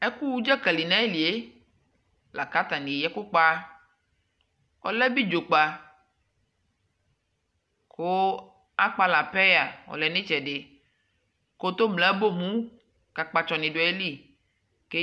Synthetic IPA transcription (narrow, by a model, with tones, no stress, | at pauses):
e˦ku˦wu˦d͡ʒɛ˦kɛ˨li˨nã˦e˦li˨e˦ | la˨ka˦t̪a˨nĩ˨jɛ˦ku˦k͡pa˦ | ɔ̰˨lɛ˦bi˦d͡ʒo˨k͡pa˨ | ko˦ | a˦k͡pa˨la˨pɛ˦ja˨wɔ̰˨lɛ˨nẽ˦t͡ʃɛ˨ɖe˨ | ko˦t̪o˦mlɛ˨˦bo˦mũ˦ | ka˨k͡pa˨t͡ʃɔ˨nĩ˨ɖo˨e˦li˦ | ke˦